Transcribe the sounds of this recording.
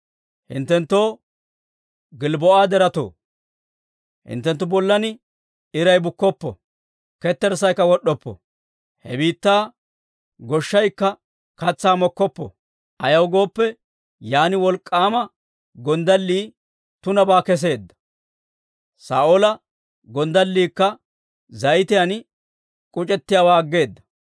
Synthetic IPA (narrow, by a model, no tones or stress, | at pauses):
hɪ̰nt̪ːɛnt̪ːoː | ɡɪlbɔʔaːd̪ɛɾɐt̪o̰ː | hɪ̰nt̪ːɛnt̪ːʊbɔlːɐnɪ | ɪɾɐjbʊkːɔpːɔ̰ | kɛt̪ːɛɾs̬ɐjkːɐwɔɗɔpːɔ̰ | hɛ̰biːt̪ːaː | ɡɔʃːɐjkːɐ | kɐt͡sːaːmɔkːɔpːɔ̰ | ʔɐjɐwɡo̞ːpːɛ | jaːnɪwɔlkʼːaːmɐ | ɡɔnd̪ɐlːiː | t̪ʊnɐbaːkɛs̬e̞ːd̪ːɐ̥ | sa̰ːʔolɐ | ɡɔnd̪ɐlːiːkːɐ | zɐjt̪ɪjɐn | kʼʊt͡ʃʼɛt̪ːɪjaːwaːɐɡːe̞ːd̪ːɐ̥